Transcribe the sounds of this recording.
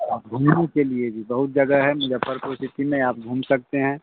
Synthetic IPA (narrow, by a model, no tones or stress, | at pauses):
aːp̚ɡʱuːmnẽkelied͡ʒiːbɐɦʊt̪̚d͡ʒɐɡaɦɛmʊd͡ʒapəɾpɾost̪ɪt̪imẽaːp̚ɡʱũːmsɐk̚t̪eɦɛ̃ː